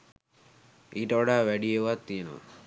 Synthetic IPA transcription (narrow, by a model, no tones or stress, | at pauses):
ʔiːʈəʋaɖaːʋæɖijeʋat̪ːijənə̰ʋa̰